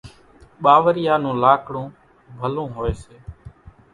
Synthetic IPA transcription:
ɓaːʋəɾɪjaːnũːlaːkʰɽõː | bʱəlõːɦoːeːseː

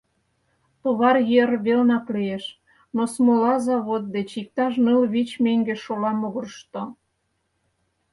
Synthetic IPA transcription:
pəβɑrjerβelnɑklieʃ | nosmolɑzɑβot̪̚d̪et͡ɕik̚t̪ɑʃnəlβit͡ɕmeŋɡeʃolɑmoɣərʃt̪o

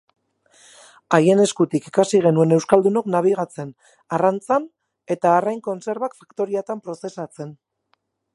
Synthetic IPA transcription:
aje̞ne̞skut̪ikikasiɣ̞e̞nue̞ne̞wskald̪uno̞knaβ̞iɣ̞at͡se̞n | arant͡san | e̞t̪aːrajŋko̞nse̞ɾβakfakt̪o̞ɾiat̪ampɾo̞se̞sat͡se̞n

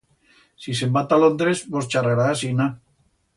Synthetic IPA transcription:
sis̬embat̪alond̪ɾesbost͡ʃareɾaːsina

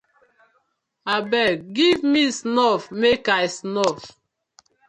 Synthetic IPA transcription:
abɛɡivmisnɔfmekajsnɔf

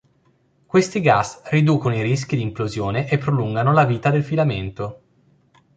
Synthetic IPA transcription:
kwest̪iɡasrid̪uːkonoiɾis̬k̟id̪iːmplozjoːneʔepːɾoluŋɡanolaviːt̪ad̪elfilament̪o

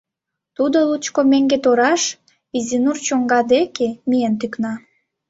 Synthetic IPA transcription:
t̪ud̪olut͡ɕkomeŋɡet̪oɾɑʃ | izʲinurt͡ɕoŋɡɑd̪ekemijent̪yknɑ

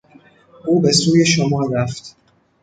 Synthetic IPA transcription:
ʔuːbe̞suːje̞ʃomɒːɾæft̪

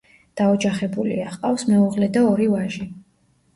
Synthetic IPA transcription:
d̪̥aɔd͡ʒaχɛbulḭaχqʼafsmɛuʁlɛd̪aɔɾivaʒi

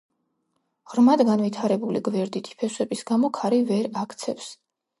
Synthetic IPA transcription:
ʁɾmad̪ɡanvit̪ʰaɾɛbulḭɡvɛɾd̪it̪ʰi̥pʰɛswɛbisɡamɔkʰaɾivɛɾakʰt̪sʰɛfs

